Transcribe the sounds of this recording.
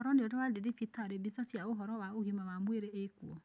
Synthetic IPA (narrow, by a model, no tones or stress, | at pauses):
ɔɾɔneoɾɛwaðeðifitaɾebisasiaoɦɔɾɔwaoɣimawamweɾeekuɔ